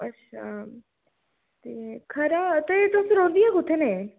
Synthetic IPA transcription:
ɐtːʃʰa | t̪ekʰɐɾat̪et̪oseɾõːnd̪iɛkʊt̪ʰːene

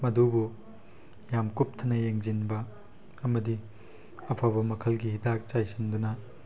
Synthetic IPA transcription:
mɐdubu | jamkup̚t̪ʰɐnɐjeŋzinbɐ | ɐmɐdi | ɐpʰabɐmɐkʰɐlɡiɦid̪ak̚t͡ʃajsʰind̪unɐ

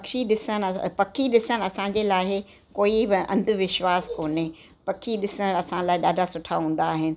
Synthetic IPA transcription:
ɐkʃiɗɪsənpɐkʰiɗɪsənɐsãɲd͡ʑeːlaːɦɪ | koːibɪɐ̃nd̪ʱʊ̆ʋɪʃʋaːskoːne | pɐkʰiɗɪsəɽ̃ɐsãlaːɦɪɗaːɖʱasʊʈʰaɦũːn̆d̪aːɦɪnɪ̆

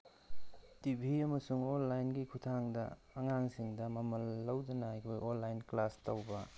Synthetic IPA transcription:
tibʱiɐmɐsuŋonːajnɡikʰutʰaŋdɐ̰ː | ŋaŋsiŋdɐmɐmɐlːɐwdɐnɐajkʰojonlːajnklastɐwbɐ

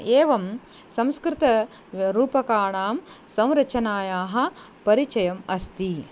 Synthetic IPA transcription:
eːʋɐm | sɐmskɾit̪ɐ | ɾuːpɐkaːɳaːmsɐ̃w̃ɾɐt͡ʃɐnaːjaːɦɐ̆ | pɐɾit͡ʃɐjɐmɐst̪i

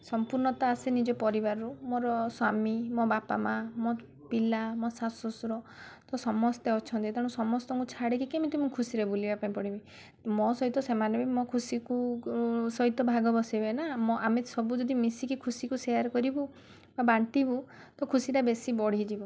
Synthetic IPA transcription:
sɔmpuɾnɔt̪aːsinid͡ʒɔpɔɾibaɾɔɾumoɾɔswamimɔbapa̰mamɔ | pilamɔsasɔsɾɔt̪ɔsɔmɔst̪eɔt͡ʃʰɔnt̪iet̪aɽ̃ũsɔmɔst̪ɔŋkut͡ʃʰaɽekikemit̪umũkʰusiɾebulibapaĩpɔɽibi | mɔsɔɦit̪ɔsemanebimɔkʰusiku | sɔɦit̪ɔbʱaɡɔbɔsibenamɔʔamesɔbud͡ʒɔd̪imisikikʰusikuseaɾkɔɾibu | babaɳʈibu | t̪ɔkʰusiɾabesibɔɽ̤id͡ʒibɔ

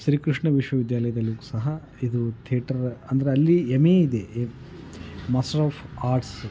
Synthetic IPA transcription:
ʃɾiːkɾiʂɳɐʋiʂʋɐʋid̪jaːlɐjɐd̪ɐlːiɡusɐɦɐ | id̪ut̪ʰiɐʈɐɾɐnd̪ɐɾeɐlːiemeːid̪e | masʈɐɾaːpʰaːɾʈs

